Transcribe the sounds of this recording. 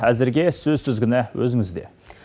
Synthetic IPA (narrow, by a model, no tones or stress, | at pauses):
æzɪɾɡʲesɵzt̪ʰʏzɡʲɪnawɵzɪŋɪzd̪e̞̰